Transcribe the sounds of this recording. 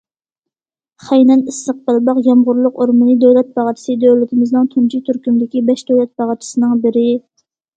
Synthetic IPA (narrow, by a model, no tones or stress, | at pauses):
χɛjnɛnisːəq̚bælˠbɑqjɑmʁʊɾlˠʊqoɾmɨnɨd̪øwlɛt̪̚bɑʁɑt͡ʃ̪ʰɪ̥sɨd̪øwlɪt̪ʰɪmɪznɨŋt̪ʰunt͡ʃʰit̪ʰyɾkʲymd̪ɪkʲibɛʃd̪øwlɛt̪̚bɑʁɑt͡ʃ̪ʰɪ̥sɨnɨŋbɪɾɪ